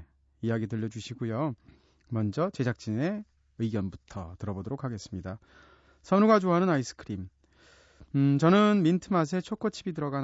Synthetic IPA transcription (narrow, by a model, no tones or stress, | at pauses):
ijaɡidɯʎːʌd͡ʑuɕʰiɡujo | mʌnd͡ʑʌt͡ɕe̞d͡ʑʰak̚t͡ɕ͈ine̞ | ɯiɡjʌnbutʰʌ̰tɯɾʌbodoɾokʰːaɡe̞s͈ɯmɲida | sʰʌnuɡad͡ʑoɦanɯnais͈ʰɯ̥kʰɯɾim | t͡ɕʌnɯnmintʰɯmas̬ʰe̞t͡ɕʰok͈ot͡ɕʰibidɯɾʌɡan